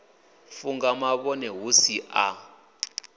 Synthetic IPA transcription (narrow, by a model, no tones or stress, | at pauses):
fuŋɡamaɓɔnɛɦusiʔa